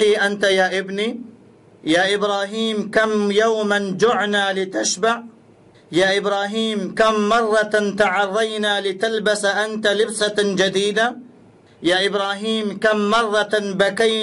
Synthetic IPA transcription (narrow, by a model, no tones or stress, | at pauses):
iːʔant̪ajaːʔɪbni | jaːʔɪbɾaːɦiːmkamjawmand͡ʒʊʕnalɪt̪aʃbaʕ | jaːʔɪbɾaːɦiːmkamːɑrˤːɑt̪aʕɑrˤːɑjnalɪt̪albasaʔant̪alɪbsad͡ʒad̪iːd̪a | jaːʔɪbɾaːɦiːmkamːɑrˤːɑbakaj